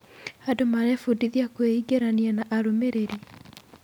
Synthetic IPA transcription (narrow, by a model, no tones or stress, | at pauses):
adomaɾɛfudiðiakweiɡeɾanianaʔaɾomeɾeɾi